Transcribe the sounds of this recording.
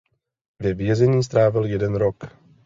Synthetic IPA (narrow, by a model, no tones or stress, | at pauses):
vjɛvjɛzɛɲiːs̬t̪ɾaːvɪljɛdɛnɾok